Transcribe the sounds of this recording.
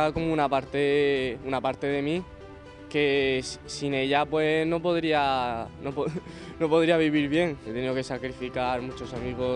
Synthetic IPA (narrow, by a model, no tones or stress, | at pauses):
ako̞munapaɾt̪eunapaɾt̪e̞ðe̞mĩ | ke̞sine̞ʎapwe̞no̞po̞ðɾianopo | no̞po̞ðɾiaβiβ̞iɾβje̞ŋet̪enioke̞sakɾifikaɾmũt͡ʃo̞samiɣo